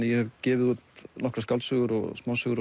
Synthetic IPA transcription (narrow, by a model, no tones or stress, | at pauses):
nɪjɛhɛvcɛːvɪðuːt̪nɔkɾaskalsʏɣʏɾɔ̰ɣsmaːwsʏɣʏɾ